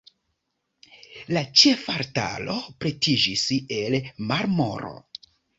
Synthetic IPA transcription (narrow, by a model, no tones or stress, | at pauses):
lat͡ʃe̞faɾta̰lo̞pɾetʰid͡ʒiselmaɾmoɾo̰